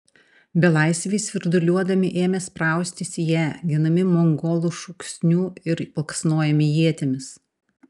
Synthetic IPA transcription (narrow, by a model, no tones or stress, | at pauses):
bʲɛlˠɑˑɪsʲʋʲesʋʲɪɾd̪ʊlʲuɔd̪ɐmʲɪʔeːmʲɛspɾɑˑʊsʲt̪ʲɪsʲijæːɡʲɪnɐmʲɪmɔŋɡoːlˠuːʃʊksʲnʲuːɪɾpɐlˠksnoːjɛmʲɪjiɛt̪ʲemʲɪs